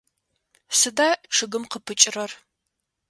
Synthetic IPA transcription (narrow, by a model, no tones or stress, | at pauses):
sɨdaːʔʈ͡ʂʰɨɡɨmqəpʰɨt͡ʃʼɪrɐr